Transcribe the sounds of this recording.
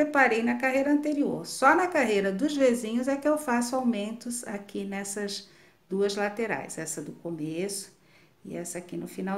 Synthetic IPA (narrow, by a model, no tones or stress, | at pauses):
ɾepaɾejnɐkaɦejɾɐɐ̃nt̪eɾio̰ɾsɔnɐkaɦejɾɐd̪ʊzvezĩɲʊzɛkɪewfasʊawmẽnt̪ʊzakinɛsɐz | d̪uɐzlat̪eɾa̰jzɛsɐd̪ʊkomesʊ̥ | ɪɛsɐakinʊfinaw